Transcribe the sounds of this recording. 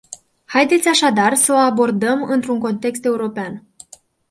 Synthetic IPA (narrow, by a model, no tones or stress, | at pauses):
hajd̪e̞t̪sʲaʃad̪arsəoabo̞rd̪əmɨnt̪ɾuŋko̞nt̪e̞kst̪e̞uɾo̞pean